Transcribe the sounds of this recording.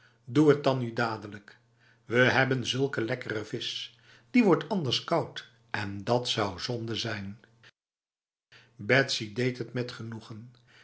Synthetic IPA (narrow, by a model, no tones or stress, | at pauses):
duət̚dɑnydaːdələk | ʋəɦɛbənzɵlˠkəlɛkərəvɪs | d̥iʋɔɹtɑndəɹskɑwt | ɛndɑtsɑwzɔndəzɛjn | bɛtsidejtɦətmɛtχənuχən